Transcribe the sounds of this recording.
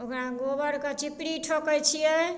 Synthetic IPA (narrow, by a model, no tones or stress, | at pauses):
okɾaɡobəɾkət͡ʃʰipɽiʈʰokəjt͡ʃʰijɛ